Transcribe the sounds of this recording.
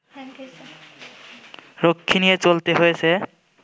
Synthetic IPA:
ɾokʰːinijet͡ɕolt̪eɦojet͡ɕʰe

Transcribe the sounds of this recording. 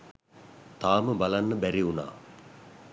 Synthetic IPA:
t̪aːməbalanːəbæɾiuna̰ː

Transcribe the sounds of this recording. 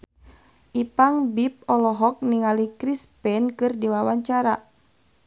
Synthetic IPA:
ʔipaŋbip̚ɔlɔɦɔk̚niŋalikɾispɛnkɨrdiwawaɲt͡ʃaɾa

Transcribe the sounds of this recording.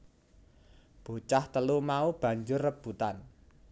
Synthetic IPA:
b̥o̤t͡ʃaht̪əlumaub̥a̤ɲd͡ʒʊrːəb̥ut̪an

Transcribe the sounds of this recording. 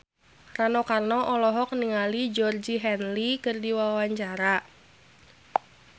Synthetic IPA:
ranɔkarnɔʔɔlɔɦɔk̚niŋalid͡ʒɔrd͡ʒiɦɛnlikɨrdiwawaɲt͡ʃaɾa

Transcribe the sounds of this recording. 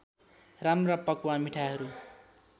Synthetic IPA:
ramrapʌkuwamiʈʰaɦʌɾu

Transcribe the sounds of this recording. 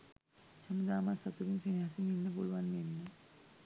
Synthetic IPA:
haməd̪amat̪sat̪uɾinsenɦasininːəbolʋanmenːə

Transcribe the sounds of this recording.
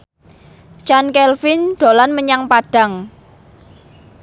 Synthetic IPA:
t͡ʃankɛlfɪnɖ̪̥o̤lanməɲaŋpaɖ̥a̤ŋ

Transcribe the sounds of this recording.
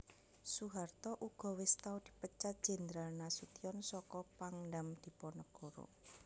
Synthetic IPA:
suɦart̪ɔʔuɡ̥ɔ̤wɪst̪awd̪̥i̤pət͡ʃat̪̚d̥ʒ̥ɛ̤nd̪ɾalnasut̪iɔnsɔkɔpaŋɖamd̪̥i̤pɔnɔɡ̥oɾo̰

